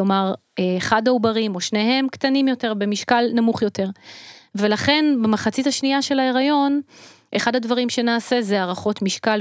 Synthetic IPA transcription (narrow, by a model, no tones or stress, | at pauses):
omaʁeːχadaubaʁimo̞ʃne̞ɦe̞mktanimjo̞te̞ʁbe̞miʃkalnamuχjo̞te̞ʁve̞laχe̞nbemaχat͡sithaʃniaʃe̞lae̞ʁajo̞n | ʔeχadhadvaʁimʃe̞naːse̞zeaʁaχo̞tmiʃkal